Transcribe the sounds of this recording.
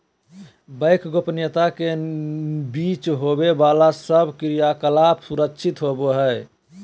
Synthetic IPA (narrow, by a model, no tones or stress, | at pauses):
bəjkɡopnət̪ake | bit͡ʃɦobebalasəbkɾijakəlapsuɾəkʃʰit̪ɦoboɦəj